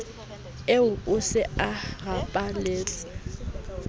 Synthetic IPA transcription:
eʊkʼʊsɪaɣapʼaleːt͡sʼɪ

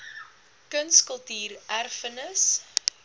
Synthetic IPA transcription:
kənskəlˠtiːrʔærfənəs

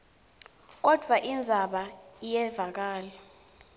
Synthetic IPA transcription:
k̬ɔd̥ʱwaʔind͡zʱaɓaijɛvak̬aːlɛ

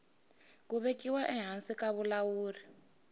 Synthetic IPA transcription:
k̬uβekʼiwaʔɛɦansikʼaβulawuːri

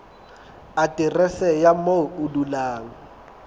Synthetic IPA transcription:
atʼirɛsɛjamoudulaːŋɔ

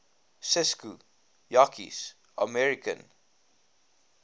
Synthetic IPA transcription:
sɪsku | jakʰḭs | ʔəmɛɹikə̰̃n

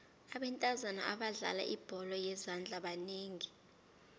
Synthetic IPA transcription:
aɓɛntʼazana̰ʔaɓaɮa̰la̰ʔib̥ʱɔlɔjɛzand͡ɮʱʼaɓaneːŋi

